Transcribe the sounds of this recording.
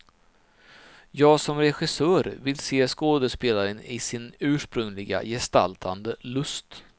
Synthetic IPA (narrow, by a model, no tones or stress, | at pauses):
jɑːɡsɔmɾɛɧɪsœːɾvɪlseːskoːd̪əʂpeːlaɾənɪsɪnʉ̟ːʂpɾɵŋlɪɡa̰jɛst̪a̰lt̪ʰand̪əlɵst̪